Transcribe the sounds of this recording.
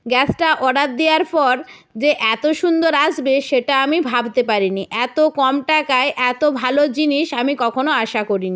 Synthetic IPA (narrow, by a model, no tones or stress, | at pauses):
ɡɛsʰʈaʔɔɖat̪̚d̪eaɾpɔɾ | d͡ʑeʔɛt̪oʃund̪oɾaʃbeʃeʈaamibʱabt̪epaɾiniʔɛt̪okɔmʈakaeʔɛt̪obʱalod͡ʑiniʃamikɔkʰonoaʃakoɾini